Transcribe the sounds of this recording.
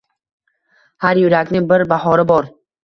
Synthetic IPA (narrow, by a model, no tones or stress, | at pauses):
haɾjʊɾakʲnɪŋbɪɾbahɒɾɪbɒɾ